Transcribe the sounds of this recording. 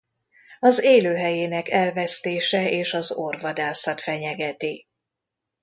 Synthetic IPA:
ɒzeːløːɦɛjeːnɛkɛlvɛst̪eːʃɛeːʃɒzorvɒd̪aːsɒt̪fɛɲɛɡɛt̪i

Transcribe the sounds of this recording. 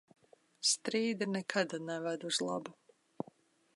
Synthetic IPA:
st̪ɾiːd̪anɛkʰad̪anɛvæd̪uzlˠa̰bu

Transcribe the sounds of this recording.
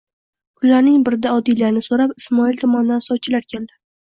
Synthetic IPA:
kʰʊlaɾnɪŋbɪɾd̪aɒd̪ilanɪsoɾapɪsmɒilʲt̪ʰɒmand̪ansɒt͡ʃʰɪlaɾkʲʰeld̪ɪ

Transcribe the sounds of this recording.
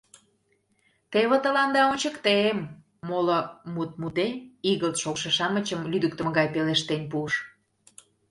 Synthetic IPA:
t̪eβə̆t̪əlɑnd̪ɑonʲt͡ɕəkt̪eemː | olomut̪̚mut̪eiɣəlt̪ʃokʃĕʃɑnə̆t͡ɕəmlyd̪ək̚t̪ə̆məɣɑjpeleʃt̪enʲpuəʃ

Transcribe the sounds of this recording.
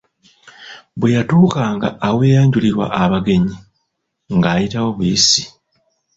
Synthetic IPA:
bwejatuːkaːŋɡa̰ːweːjaːɲɟuliɾwa̰ʔaβaɡe̞ɲi | ŋɡaːjitawo̞βwiːsi̥

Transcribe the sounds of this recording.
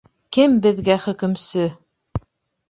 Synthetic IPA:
kɘmbɘ̆ðɡæχɵ̆kɵ̆msɵ

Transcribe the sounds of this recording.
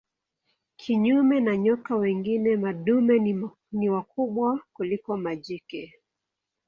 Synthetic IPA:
kʰiɲumɛnaɲɔkawɛŋɡinɛmaɗumɛ | niwakuɓwakulikɔmaʄikɛ

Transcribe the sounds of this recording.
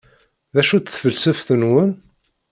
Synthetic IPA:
ðæʃut͡sθfəlsəfθənwən

